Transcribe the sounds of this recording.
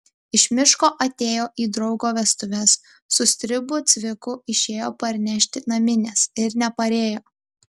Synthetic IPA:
ɪʃʲmʲɪʃkoːʔɐt̪ʲeːjoːʔiːd̪ɾɒʊɡoːʋʲɛst̪ʊʋʲɛsː | ʊsʲt̪ʲɾʲɪbʊt̪sʲʋʲɪkʊɪʃʲeːjoːpɐɾʲnʲɛʃʲt̪ʲɪnɐmʲɪnʲɛsɪɾnʲɛpɐɾʲeːjoː

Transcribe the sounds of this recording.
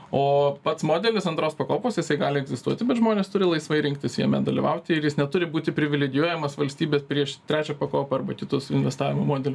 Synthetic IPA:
oːpɐt̪smoːd̪ʲɛlʲɪsɐnt̪ɾoːspɐkoːpoːsjɪsɐɪɡɑːlʲɪɛɡzʲɪst̪uɔt̪ʲɪbʲɛt̪ʒmoːnʲeːst̪ʊɾʲɪlˠɐɪsʋɐɪɾʲɪŋk̚t̪ʲɪsjiɛmʲɛd̪ɐlʲɪʋɐʊt̪ʲɪɪrjɪsnʲɛt̪ʊɾʲɪbuːt̪ʲɪpʲɾʲɪʋʲɪlʲɛɡʲɪjuɔjɛmɐsʋɐlʲsʲt̪ʲiːbʲeːspʲɾʲiɛʃt̪ʲɾʲæːt͡ʃʲɛpɐkoːpɐɐrbɐkʲɪt̪osɪnʲʋʲɛst̪ɑːʋʲɪmomoːd̪ʲɛlʲʊs

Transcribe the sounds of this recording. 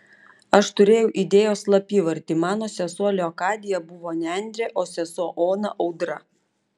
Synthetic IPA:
ɐʃt̪ʊɾʲeːjɛʊʔid̪ʲeːjoːslˠɐpʲiːʋɐɾʲt̪ʲiːmɑːnoːsʲɛsuɔlʲoːkɑːd̪ʲɪjɛbʊʋoːnʲænʲd̪ʲɾʲɛʔoːsʲɛsuɔʔoːnɐ̰ʔɒʊd̪ɾɐ

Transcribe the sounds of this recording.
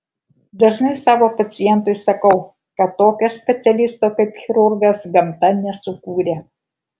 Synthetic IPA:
d̪ɐʒnɐɪsɑːʋoːpɐt̪sʲɪjɛnt̪ʊɪsɐkɒʊ | kɐt̪ːoːkʲoːsʲpʲɛt̪sʲɛlʲɪst̪oːkɐɪpxʲɪɾʊɾɡɐsɡɐmt̪ɐnʲɛsʊkuːɾʲeː

